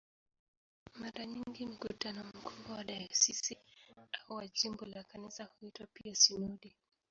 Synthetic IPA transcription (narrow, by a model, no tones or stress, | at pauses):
maɾaɲiŋɡim̩kutanɔm̩kuɓwɔwaɗajasisiauwad͡ʒimbɔlakanisahuitwapiasinɔɗi